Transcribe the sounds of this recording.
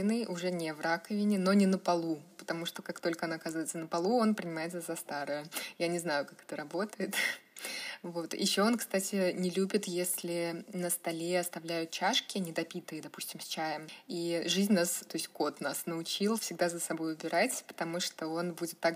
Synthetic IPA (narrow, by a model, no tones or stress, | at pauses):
ɪnɨjʊʐɛnʲɪvrakəvʲɪnʲɪno̞nʲɪnəpɐlˠupə̥t̪ɐmuʂt̪o̞kakt̪o̞lʲkəɐnaɐkazɨvəɨɪt̪sənəpɐlˠuo̞npɾʲɪnʲɪmaɪt̪səzɐst̪aɾɨjʊjanʲɪznajʊkakɛ̥t̪əɾɐbo̞t̪əjɪt̪ | vo̞t̪jɪ̰ɕːo̞onkst̪atʲɪnʲɪlʲubʲɪt̪jesʲlʲɪnəst̪ɐlʲeɐst̪ɐvlʲæjʊt̪̚t͡ɕaʂkʲɪnʲɪd̪ɐpʲit̪ɨjəd̪ɐpu̥sʲtʲɪmsʲt͡ɕajəmiʐɨzʲnʲnast̪o̞ɪsʲtʲko̞t̪nasnəʊt͡ɕilˠfsʲɪɡ̚d̪azəsɐbo̞jʊbʲɪɾat͡sʲpə̥t̪ɐmuʂt̪o̞o̞nbudʲɪt̪ːak